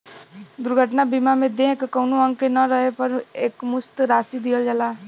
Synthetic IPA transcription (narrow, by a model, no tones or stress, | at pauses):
d̪ʊɾɡʱəʈnabimamẽd̪ẽkkəwnoə̃ŋɡkenəɾəɦepəɾeːkmʊst̪ɾaːsid̪iəld͡ʒala